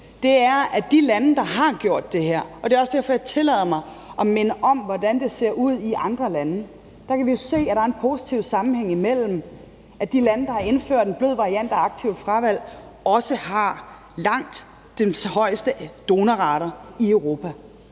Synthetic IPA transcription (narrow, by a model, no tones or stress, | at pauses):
d̥e̝æɐʔæd̥ilænəd̥ɑ̈ɦɑ̈ɡ̥jo̝ɐ̰d̥ːe̝ɦeɐ̰ɒ̽d̥e̝ɒsd̥æɐfɒ̽jɑ̈ɪt͡sʰe̝lɛ̰ːðˠɐmɑ̈ɪʔɒ̽menəʔɒ̽mʋɒd̥ænd̥e̝se̝ɐ̰ʔuð̞̰ˠiʔɑ̈nd̥ʁɐlænə | d̥ɑ̈kʰæʋijo̝se̝̰ːæɾ̥ɑ̈æɐe̝npʰo̝si̥t͡sʰiʊ̰sɑ̈mm̩heŋ̰imel̰m̩ | ʔæd̥ilænəd̥ɑ̈hɑ̈e̝nføɐ̰d̥enb̥løð̰ˠʋɑ̈ʁiæn̰d̥æɑ̈ɡ̥̚t͡sʰiʊ̰fʁɑʋæl̰ | ɒ̽səhɑ̈ | lɑ̈ŋ̰d̥ | enhɒ̽ɪ̰sd̥əd̥o̝ːnæʁɑ̈ɾ̥ɐiøʊʁo̝ːpʰæ